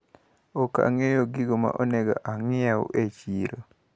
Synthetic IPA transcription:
oka̰ŋejoɡiɡoma̰ʔoneɡa̰ʔaŋɪao̰ʔet͡ʃiɾo

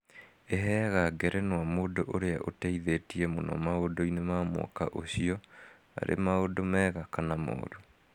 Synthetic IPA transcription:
eɦɛɣaɡɛɾɛnwamoːdoʔoɾeaʔotɛiðetiɛmonɔ̰maodoinemamwɔ̰kaʔoɕiɔ | a̰ɾʔḛmaodomɛːɣakanamo̰ːɾo

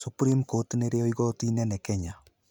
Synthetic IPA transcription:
sopuɾimkotineɾeoiɣootinɛnɛkɛɲa

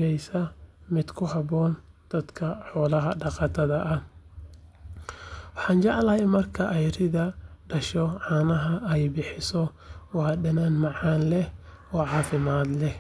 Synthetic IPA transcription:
ɛjsɐmɪd̪kʰʊɦɐβɔːnd̪̥ɐd̪kʰɐħɔːlɐɦɐɖɑqɑːt̪ʰɐðɐʔɐh | wɑħɑːnt͡ʃɑʕlɐɦɛjmɐrkʰɐʔɛjrɪðɐɖɐʃɔʕɑːnɐɦɐɛjbɪħɪsɔ | wɑːɖɐnanmɑʕɑːnlɛh | ɔːʕɑːfɪmaːd̪lɛh

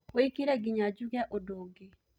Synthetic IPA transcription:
weikiɾɛɡiɲad͡ʒuɡaʔodoɡe

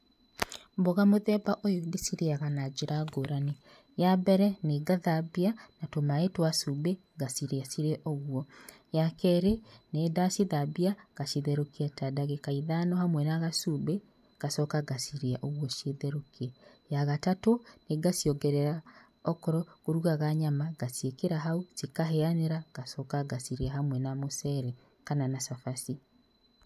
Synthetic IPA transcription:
mboɣamoðɛbaʔojoɡesiɾeaɣanad͡ʒeɾaɡoɾane | jabɛɾɛneɡaðabianatomaetwasube | ɡasiɾeasiɾeʔɔɣwɔjakɛɾeneːdasiðabiaɣ̥aʃiðɛɾokiatadaɣekaiðanɔhamwɛnaɣasube | ɡ̥asɔkaɡasiɾeaʔoɣwɔʃeðɛɾokiɛjaɣatatoneɡasiɔɡɛɾɛɾa | ɔkɔɾɔkoɾuɣaɣaɲamaɡasiekeɾaɦausikaɦeaneɾaɡasɔkaɡasiɾeahamwɛnamosɛɾɛ | kananasafasi

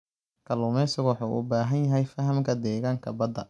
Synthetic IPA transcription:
kʰɐlʊːmɛsɪɣɔħuːʔʊ̰baːɦɐnjɐɦɛjfɐɦɐmkʰɐd̪ɛːɣaːŋkʰɐbɐd̪ɐ

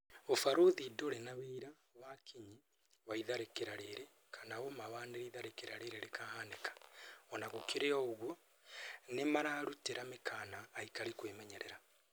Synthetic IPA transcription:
ofaɾoðidoɾenaβeiɾa | βakʰiɲi | βaiðaɾekeɾaɾeɾe | kʰanawomaβaneɾiðaɾekeɾaɾeɾeɾekʰahanekḁɔnaɣokʰeɾeɔɣwo | nemaɾaːɾuteɾamekʰanaːikaɾekwemɛɲɛɾeɾa

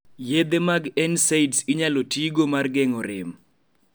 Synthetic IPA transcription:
jed̪emaɡɛnseidsiɲalotiɡomarɡɛŋɔɾɪm

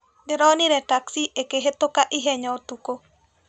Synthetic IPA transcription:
dɪɾɔnɪɾɛtaksiʔekeɦet̪ʊkaʔɪɦɛɲɔtuko

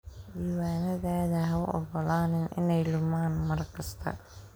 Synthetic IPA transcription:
d̪iːwaːnɐðaːðɐɦɐʔɔ̰ɣɔlaːnɪnʔɪ̰nɛjlʊmaːnmɐrkʰɐst̪ʰɐ̰

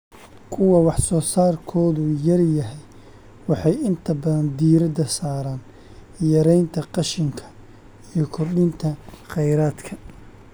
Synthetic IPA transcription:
kʰʊwɑwɑħsɔːsaːrkʰɔːðʊjɐrjɐɦɛj | wɑħɑjɪnt̪ʰɐbɐðɐnd̪iːɾɐd̪ɐsaːɾaːn | jɐɾɛjnt̪ʰɐqɑʃɪŋkʰɐ̥ | ijɞkʰɔrɗɪnt̪ʰɐqɛjɾaːd̪kʰɐ

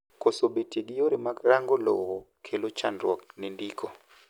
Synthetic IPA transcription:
kʰʼɔsoɓetʰʼeɡijɔɾimaɾaŋɡɔlɔ̰ɣɔ | kʰɛlɔt͡ʃʰandwɔnindiːkʰʼɔ

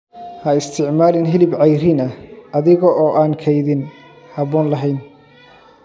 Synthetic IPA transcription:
hɐɪst̪ʰɪʕmaːlɪnɦɪlɪbʕɑjɾɪnɐʔɐðɪɣɔʔɔːʔaːŋkʰɛjðɪn | hɐβɔːnlɐɦɛjn

